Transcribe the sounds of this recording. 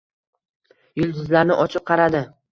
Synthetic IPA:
jʊlˠd̪ʊzlaɾnɪʔɒt͡ʃʰɪp̚qʰɑɾad̪ɪ

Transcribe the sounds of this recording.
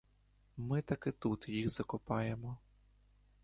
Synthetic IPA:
mɪt̪ɐkɪt̪ut̪jixzɐkʊpɑjemɔ

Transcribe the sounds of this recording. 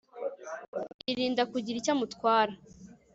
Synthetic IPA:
iɾiːndakuɟiɾicamutkwaːɾa

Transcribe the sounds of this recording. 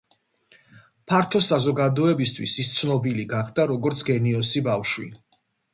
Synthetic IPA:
pʰaɾt̪ʰɔsazɔɡad̪ɔɛbist̪ʰwisist̪sʰnɔbiliɡaχd̪aɾɔɡɔɾt̪sʰɡɛniɔsibafʃwḭl

